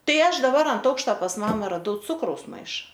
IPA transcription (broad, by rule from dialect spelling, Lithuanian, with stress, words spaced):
ˈtɐɪ ˈɐʃ dɐˈbɐr ɐnt ˈɐʊkʃtɐ pɐs ˈmɑːmɐ rɐˈdɐʊ ˈt͡sʊkrɐʊs ˈmɐɪʃɐ